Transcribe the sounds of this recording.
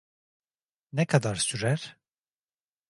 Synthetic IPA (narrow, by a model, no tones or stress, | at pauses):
nɛkʰad̪aɾsyɾæɾ̥